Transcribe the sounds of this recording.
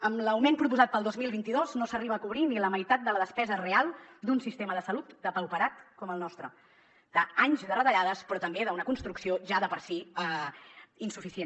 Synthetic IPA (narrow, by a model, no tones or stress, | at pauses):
əmləwmenpɾup̬uzat̪̚pəlˠd̪ozmilˠβint̪iðoznosəriβəːkuβɾiniləməjt̪at̪̚d̪ələðəspɛzərealˠd̪unsist̪eməðəsəlut̪d̪əpəwpəɾat̪kɔməlˠnɔst̪ɾə | d̪̥əaɲzðərət̪əʎaðəspɾɔt̪əmbeðəunəkunst̪ɾuksioʒaðəpəɾsiə | insufisien